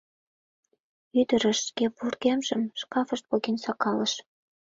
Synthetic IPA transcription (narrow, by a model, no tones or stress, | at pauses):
yd̪əɾə̆ʃskepurɣemʒəmʃkɑfəʃt̪̚poɣinsɑkɑləʃ